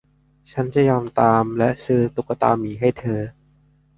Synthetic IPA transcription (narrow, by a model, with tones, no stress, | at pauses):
t͡ɕʰa˦˥nt͡ɕa˧˩jɔː˧mt̪aː˧mlɛ˦˥ʔsɯː˦˥t̪u˨˩kːa˧t̪a̰ː˧miː˨˩˦ɦa˥˩jt̪ʰɤː˧